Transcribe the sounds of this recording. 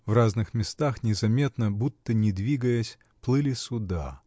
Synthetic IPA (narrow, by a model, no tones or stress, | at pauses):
vraznɨxmʲɪst̪axnʲɪzɐmʲe̞t̪nəbut̪ːənʲɪd̪vʲiɡəjəsʲ | plˠɨlʲɪsʲʊd̪a̰